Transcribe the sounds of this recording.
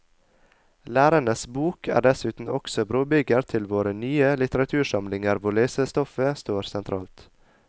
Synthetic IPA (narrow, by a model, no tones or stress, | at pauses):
læːɾəɳəsbuːkʰæ̰ːɖɛsʉːt̪n̩ɔksɔbɾoːbʏɡəɾt̪ʰɪlʋoːɾənyːəlɪt̪əɾɑt̪ʰʉːʃɑmlɪŋəɾʋʊɭeːsəst̪ɔfəst̪oːɾsɛnt̪ʰɾɑ̰ːlt̪